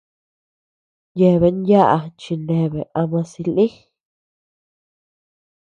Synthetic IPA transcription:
je˧˨βe˧˦nja˦ʔa˧t͡ʃi˧nẽ˧˨βe˨ʔa˧mã˧si˧li˦

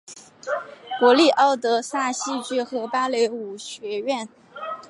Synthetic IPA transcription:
kwɔ˧˥li˥˩ʔɑ˥˩ʊt̪ɤ˧˥sa˥˩ɕi˥t͡ɕy˥xɤ˧˥pa˥le˧˥ɪu˨˩ɕɥɛ˧˥ɥɛ˥˩n

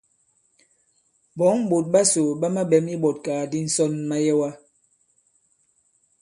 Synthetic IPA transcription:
bɔ˨˦ŋm̩˦bo˨t̚ɓa˦so˨ɓa˦ma˦ɓɛ˨˦mi˦bɔ˨t̚kaː˨di˦n̩˦sɔ˦nma˦jɛ˦wa˦

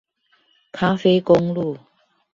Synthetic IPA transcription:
kʰa˦fe˥˦ɪkʊ˦ŋlu˥˨

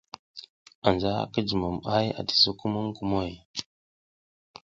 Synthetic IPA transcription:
a˨nd͡ʒa̰˦˨kə˦d͡ʒə˨mu˨ma˦ja̰˨di̥˨zu˦ku˦mu˦mku˨mo˦˨j

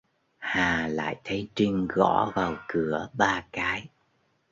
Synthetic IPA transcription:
haː˨˩la̰ː˧˨jt̪ʰə˨˦jt͡ɕi˧ŋ̟ɣɔ̰˧˥vaː˨˩wkɨ˧˩əɓaː˧kaː˨˦j

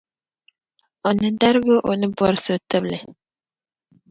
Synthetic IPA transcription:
o˨nɨ˨da˦ɾɨ˦bɨ˦ʔo˨nɨ˦bɔ˦ɾɨ˦so˨tɨ˦blɨ˨

